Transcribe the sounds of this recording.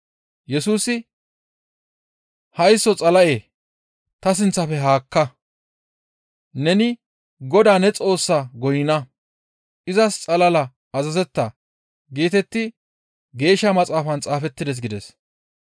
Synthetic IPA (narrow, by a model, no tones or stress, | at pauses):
jɛsuːsɪ | hɐjsːɔt͡sʼɐlɐʔeː | t̪ɐs̬ɪnt͡sːɐfɛɦaːkːɐ | nɛnɪ | ɡɔd̪aːnɛt͡sʼo̞ːsːaːɡɔjɪnɐ | ʔɪzɐst͡sʼɐlɐlɐ | ɐzɐzɛt̪ːɐ | ɡeːt̪ɛt̪ːɪ | ɡe̞ːʃːɐmɐt͡sʼaːfɐnt͡sʼaːfɛt̪ːɪd̪ɛs̬ɡɪd̪ɛs